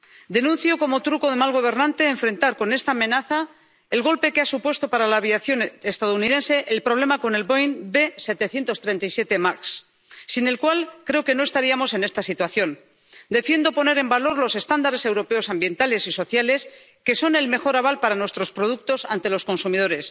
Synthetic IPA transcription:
d̪e̞nũnθjoko̞mo̞t̪ɾuko̞ðe̞malɣ̞o̞β̞e̞ɾnãnt̪e̞ːɱfɾe̞nt̪aɾko̞ne̞st̪aːmẽ̞naθa | elɣ̞o̞lpe̞keasupwe̞st̪o̞paɾalaːβjaθjo̞nest̪aðounið̞e̞nse̞ʔelpɾo̞β̞le̞mako̞ne̞lbojnbe̞se̞t̪e̞θje̞nt̪ost̪ɾe̞nt̪ajsje̞t̪e̞maksː | ine̞lkwalkɾe̞oke̞noe̞st̪aɾiamo̞se̞ne̞st̪asit̪waθjo̞n | d̪e̞fjend̪o̞po̞ne̞ɾe̞mbalo̞ɾlo̞se̞st̪and̪aɾe̞se̞wɾo̞pe̞o̞sambje̞nt̪ale̞siso̞θjale̞s | ke̞so̞ne̞lme̞xo̞ɾaβ̞alpaɾanwe̞st̪ɾo̞spɾo̞ð̞uk̚t̪o̞sa̰nt̪e̞lo̞sko̞nsumið̞o̞ɾe̞s

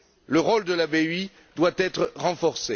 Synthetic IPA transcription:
ləʁold̪əlabei | d̪wat̪ɛt̪χəʁɑ̃fɔʁse

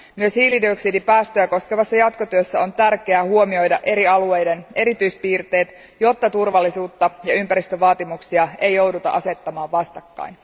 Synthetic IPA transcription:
myøshiːlidioksidipæːst̪øjæko̞skeʋɑsːɑjɑt̪ko̞t̪yøsːæo̞nt̪ærkeæhuomio̞jdɑʔe̞ɾiɑlue̞jde̞ne̞ɾit̪yjspiːrt̪e̞ːt̪ | jo̞t̪ːɑt̪urʋɑlːisuːt̪ːɑjɑympæɾist̪øʋɑːt̪imuksiɑe̞jo̞wdut̪ɑ̰ʔɑse̞t̪ːɑmɑːʋʋɑst̪ɑkːɑ̰in

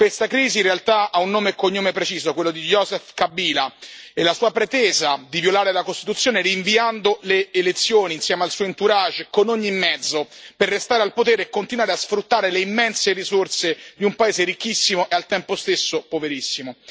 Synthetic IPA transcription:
kwest̪akɾiːzinrealt̪aaunːoːmekoɲːomepɾet͡ʃiːzokwelːod̪ijɔzɛfkabːiːlaɛlːasuːapɾet̪ɛːzad̪ivjolaːɾelakost̪i̥t̪ut̪sːjoːneɾiːɱviand̪oleːlet̪sːjoːniːnsjɛːmealsuːoint̪uɾad͡ʒkonoɲːimːɛd̪zːoperːest̪aːɾealpot̪eːɾeːkːont̪inwaːɾeasfɾut̪ːaːɾeleimːɛnserizorsed̪iumpaeːzeɾik̟ːisːimoʔealt̪ɛmpost̪esːopoveɾisːimo

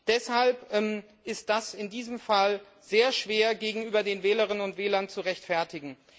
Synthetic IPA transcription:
d̥ɛshalpʔɛm | ʔɪst̚d̥asɪndiːzəmfal | z̥eːɐʃv̥eːɐɡeːɡŋ̩yːbɐdeːnvɛːləʁɪnənʊntv̥ɛːlɐnt͡suʁɛçtfɛɐtɪɡŋ̩

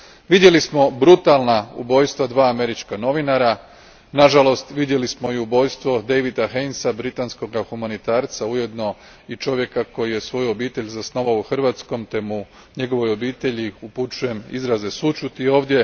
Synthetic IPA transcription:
ʋid̪je̞lismo̞bɾut̪alˠnaṵbo̞ːjst̪ʋad̪ʋaːme̞ɾit͡ʃkano̞ʋinaɾa | naʒalo̞st̪ʋid̪je̞lismoiubo̞jst̪ʋo̞d̪e̞jʋid̪axe̞jnsabɾit̪ansko̞ɡaxumanit̪aːɾt̪sauje̞d̪no̞ | it͡ʃo̞ʋje̞kako̞jije̞sʋo̞juo̞biːt̪e̞ʎʲzasno̞ʋaouxr̩ʋaːt̪sko̞mt̪e̞mu | ɲe̞ɡo̞ʋo̞jo̞biːt̪e̞ʎiuput͡ʃuje̞mḭzɾaze̞sut͡ʃut̪io̞ːʋd̪je̞

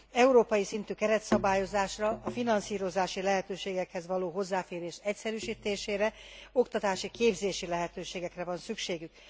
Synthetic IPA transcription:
ɛuɾoːpɒjisint̪yːkɛɾɛt̪sɒbaːjo̞zaːʃrɒːfinɒnsiːɾo̞zaːʃilɛɦɛt̪øːʃeːɡɛkhɛzʋɒloːɦo̞zːaːfeːɾeːʃɛcsɛɾyʃiːt̪eːʃeːɾɛo̞kt̪ɒt̪aːʃikeːbzeːʃilɛɦɛt̪øːʃeːɡɛkrɛvɒnsykʃeːɡyk̚

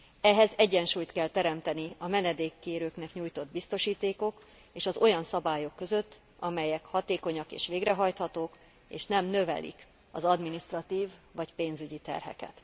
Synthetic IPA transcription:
ɛɦɛzɛɟːɛnʃuːjt̪kɛlt̪ɛɾɛmt̪ɛniɒmɛnɛd̪eːkːeːɾøːknɛkɲuːjt̪o̞d̪bist̪o̞ʃiːt̪eːko̞k | eːʃɒzo̞jɒnsɒbaːjo̞kːø̞zø̞t̪ː | ɒmɛjɛkhɒt̪eːko̞ɲɒkḛːʃʋeːɡrɛɦɒjt̪hɒt̪oːk | eːʃnɛmnø̞vɛ̰lʔḭk | ɒzɒd̪minist̪rɒt̪iːvːɒcpeːnzyɟit̪ɛ̰rɦɛ̰kɛ̰t̪

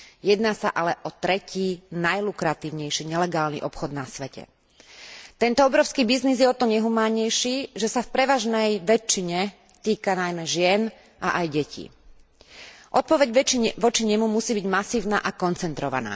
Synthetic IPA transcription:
jɛd̪naːsa̰ʔalɛʔɔt̪ɾɛcʰiːnajlukɾat̪iːʊɲɛjʃiːɲɛlɛɡaːlnḭʔɔpxɔd̪nasʋɛcɛ̰ | t̪ɛnt̪ɔɔbɾɔʊskiːbiznizjɛɔt̪ɔɲɛɦumaːɲɛjʃiːʒɛsafpɾɛʋaʒnɛjʋɛt͡ʃːiɲɛ | t̪iːkanajmɛʒɪɛn | ʔa̰ʔajɟɛcʰḭː | ʔɔt̪̚pɔʋɛɟʋɔt͡ʃiɲɛmumusiːbiɟmasiːʊna̰ːʔakɔnt͡sɛnt̪ɾɔʋa̰na̰ː

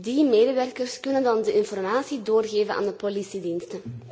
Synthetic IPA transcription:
dimeːdəʋɛrkərskɵnəndɑndəʔɪnfɔrmaːsidoːrɣeːvəna̰ːndəpolisidinstə

